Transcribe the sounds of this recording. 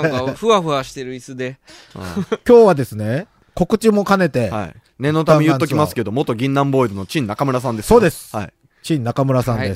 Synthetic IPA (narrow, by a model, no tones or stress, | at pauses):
ɸɯ̟aɸɯ̟aɕi̥t̪e̞ɾɯ̟isɨd̪e̞̰ | kʲo̞ːβad̪e̞sɨne̞ | ko̞kɯ̟t͡ɕimo̞kane̞t̪e̞ha̰ḭ | ne̞not̪̬amejɯːoimasɨ̥ke̞d̪o̞mo̞t̪oɡʲĩnːãmbo̞iɾɯno̞t͡ɕĩnːakamɯ̟ɾas̬ãnd̪e̞sso̞ːd̪e̞sɨ̥ai | t͡ɕĩnːakamɯ̟ɾasãnd̪e̞s